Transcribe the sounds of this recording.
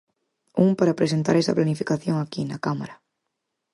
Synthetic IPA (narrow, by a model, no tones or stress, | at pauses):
umpaɾapɾesent̪a̰ɾɛsɐ̰planifi̥kaθjoŋakinakama̰ɾa